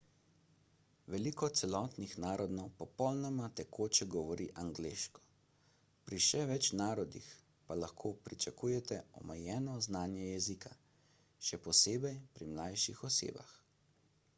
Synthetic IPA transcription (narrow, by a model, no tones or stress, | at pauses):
ʋɛlikɔt̪sɛlɔːt̪nixnaːɾɔd̪nɔwpɔpɔlnɔmat̪ɛkoːt͡ʃɛɡɔʋɔɾiʔaŋɡleːʃkɔ̥ | pɾiʃɛʋɛt͡ʃnaːɾɔd̪ḭx | palaxkʰoːpɾit͡ʃakuːjɛt̪ɛɔ̰mɛjɛːnɔznaːnjɛjɛzikʰa | ʃɛpɔseːbɛjpɾimlajʃixɔsḛːba̰x